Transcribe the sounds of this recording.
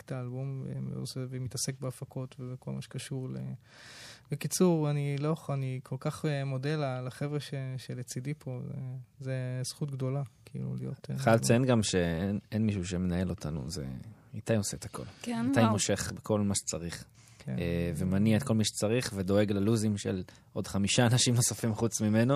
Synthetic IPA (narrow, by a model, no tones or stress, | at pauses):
ktaːlbumḛo̰sevemit̪ase̞k̚beafakʰo̞tvebekolma̰ʃe̥kaʃuʁlḛ | bekit͡suʁaniloanikʰo̞lkaχemo̞delalaχevʁeʃeʃelet͡sidipʰo̞zḛzesχutɡdo̞lakiḭlṵlijo̞̰tχalt͡senɡamʃeenenmiʃuʃ̬emenae̞lo̞tanṵzḛat̪ajoseet̪akʰo̞̰lat̪ajmoʃe̞χbekʰo̞lmaʃe̥t͡saʁiχ | kevemaniaetkʰo̞lmaʃe̥t͡saʁiχvedo̞e̞ɡlaluzimʃḛl | ʔo̞dχamiʃaːnaʃimno̞safimχut͡smimeno